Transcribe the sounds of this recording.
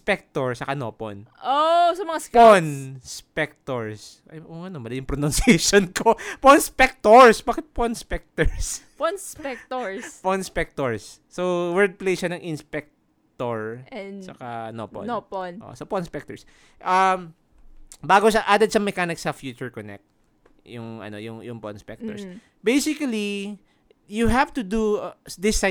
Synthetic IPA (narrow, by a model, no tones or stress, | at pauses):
spɛk̚t̪ɔɹsɐkano̰po̰nʔosɐmɐŋaponspɛk̚t̪oɹs | ɐʔoʔɐnomɐlɐjʊŋpɾonɐnsɛʃonkoponspɛk̚t̪oɹsbaːkɪt̪̚ponspɛk̚t̪ɛɹs | ponspɛk̚t̪oɹsponspɛk̚t̪oɹsːowɛɹd̪̚plejʃanɐŋʔɪnspɛk̚ | t̪oɹt͡ʃɐkanopɔ̰npoʔo̰ʔo̰soponspɛk̚t̪ɔɹs | ʔɐm | baːɡoʃaʔaːd̪ɛd̪̚ʃɐŋmɛkanɪksɐfjuːt͡ʃʊɹkɔnɛ̰k̚t̪̚ | jʊŋʔɐ̰no̰jʊŋjʊŋpo̰nspɛ̰k̚t̪ɔ̰ɹs | bejsɪkɐli | jʊɦavt̪ʊd̪ud̪ɪsa